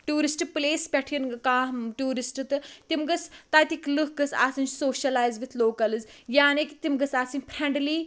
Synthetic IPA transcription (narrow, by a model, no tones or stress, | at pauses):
ʈuːɾisʈɨpleːspʲɛʈʰijɐnɡkãːɦʈuːɾisʈɨt̪ɨt̪imɡɐt͡st̪at̪iklɨkɡɐsa̰ːsɨnt͡ʃsoːʃɐlaːjzʋit̪ʰloːkɐlɨzjaːnekit̪imɡɐsaːsinʲpʰɾeɳɖliː